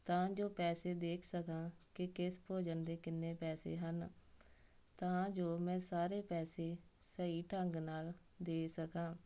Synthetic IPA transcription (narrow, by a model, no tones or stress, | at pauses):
t̪ãːd͡ʒoːpɛːseːd̪eːkʰsəkãːkɪkɪspoːd͡ʒənd̪eːkɪnːeːpɛːsḛːɦən | t̪ãːd͡ʒoːmɛ̃ːsaːɾeːpɛːseː | səiːʈəŋɡnaːl | d̪eːsəkãː